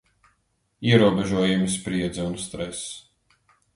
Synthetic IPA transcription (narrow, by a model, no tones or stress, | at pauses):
iɛɾuɔbɛʒuɔjumispɾiɛd̪zaunst̪ɾɛs